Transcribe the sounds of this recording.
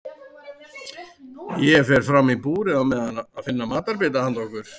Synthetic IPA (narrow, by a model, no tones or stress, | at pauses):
jɛfɛɾ̥fɾamipuːɾɪawmɛðaaðfɪnːamaːt̪aɾpɪːt̪ahant̪ɔhkʏɾ̥